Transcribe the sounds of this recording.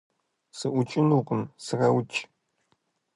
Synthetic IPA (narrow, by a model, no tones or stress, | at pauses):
sɨʔʷʊt͡ʃʼɪnuqʼɨmsɨrɐwt͡ʃʼ